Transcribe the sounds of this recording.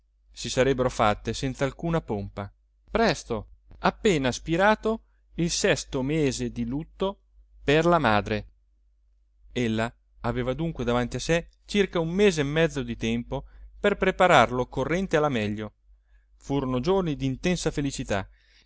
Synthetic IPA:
sisaɾɛbːeɾofat̪ːesɛnt̪salkuːnapompa | pɾɛst̪oapːeːnaspiɾaːt̪o | ilsɛst̪omeːzed̪ilut̪ːo | perlamaːd̪ɾe | elːaː | veːvad̪uŋkwed̪avant̪iase | t͡ʃirkaumːeːzeːmːɛd̪zːod̪it̪ɛmpoperpɾepaɾarlokorːɛnt̪ealːamɛʎːo | fuːɾonod͡ʒornid̪iːnt̪ɛnsafelit͡ʃit̪a̰

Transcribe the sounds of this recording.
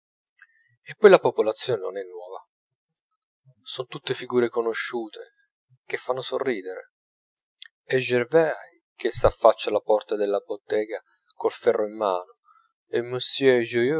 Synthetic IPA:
epːɔjlapopolat̪sːjoːneno̰nɛnːwɔːva | sɔnt̪ut̪ːefiɡuːɾekonoʃːuːt̪ʰe | k̟efːanːosorːiːd̪eɾḛ | ɛʒːervɛj | k̟esafːat͡ʃːalapɔrt̪ad̪elːabot̪ːɛːɡa | kolfɛrːʔoimːaːno | emːøsjʒujø

